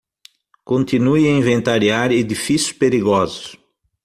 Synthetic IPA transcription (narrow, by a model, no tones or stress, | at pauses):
kõnt̪inujɐĩvẽnt̪aɾiaɾed̪ifisjʊ̥speɾiɡɔzʊ̥s